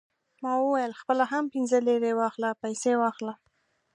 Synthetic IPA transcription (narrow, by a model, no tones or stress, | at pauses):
mɑwəwajəlxpəlaɦampɪnzəleɾewɑxlapajsewɑxla